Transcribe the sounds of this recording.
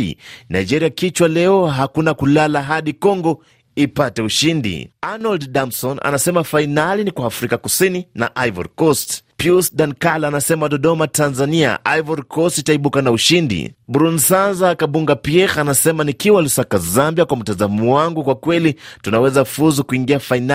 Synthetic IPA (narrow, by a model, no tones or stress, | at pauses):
na̰id͡ʒɛɾiakit͡ʃwalɛɔɦakunakulalaɦaɗikɔŋɡɔ | ipatɛuʃindḭanɔldɗamsɔna̰nasɛmafainalinikwaːfɾikakusinina̰ʔajvɔ̰ɾkɔstpjusɗankalanasɛmaɗɔɗɔmatanzania̰ʔajvɔɾkɔstitaiɓukanauʃindḭbɾunsanzakaɓuŋɡapiɛɣanasɛmanikiwalusakazambiakwam̩tazamɔwaŋɡukwakwɛlitunawɛzafuzukuiŋɡiafaina